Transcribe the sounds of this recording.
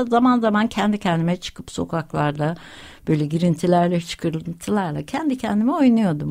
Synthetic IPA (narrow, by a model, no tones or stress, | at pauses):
zamanzamancʰɛnd̪icʰɛnd̪imɛt͡ʃʰɯ̥kʰɯpso̞kʰaklˠaɾd̪a | b̥ø̞jlʲɛɟiɾint̪ʰilʲæɾlʲɛt͡ʃʰɯ̥kʰɯɾɯnt̪ʰɯlˠaɾlˠacʰɛnd̪icʰɛnd̪imɛo̞jnujo̞d̪um